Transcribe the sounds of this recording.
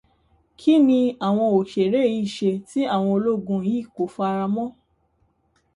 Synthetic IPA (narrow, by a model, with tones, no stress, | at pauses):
kʰi˦nĩ˧a˨w̃ɔ̃˧o˨ʃe˨ɾe˦˨ji˨˦i˦˨ʃe˧ti˦a˦˨w̃ɔ̃˧o˧lo˦˨ɡũ˧˨jĩ˦˨ko˨˦fu˦a˧ɾa˧mɔ̃˦